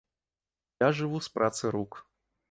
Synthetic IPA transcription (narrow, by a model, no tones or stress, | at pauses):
jaʐɨvuspɾʔat̪sɨɾuk